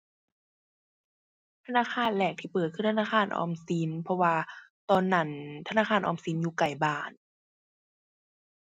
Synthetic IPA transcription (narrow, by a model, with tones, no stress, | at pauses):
t̪ʰa˧naː˧˥˨kʰaː˧˥˨nlɛː˨˩k̚t̪ʰiː˧˩pɤː˨˩t̪̚kʰɯ˧˥˨t̪ʰa˧naː˧˩kʰaː˧˥˨nʔɔ̰ː˧msi˨˦npʰɔ˧waː˧t̪ɔː˧nːa˧˩nt̪ʰa˧naː˧˥˩kaː˧˩˨nʔɔ̰ː˧˩msi˨˦njuː˧˩ka˨˩jbaː˧˨˩n